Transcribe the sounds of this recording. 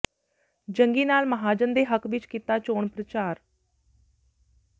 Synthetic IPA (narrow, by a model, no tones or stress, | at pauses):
d͡ʒəŋɡiːnaːlməɦaːd͡ʒənd̪eːɦəkʋɪt͡ʃkit̪aːt͡ʃoːɳpɾət͡ʃaːɾ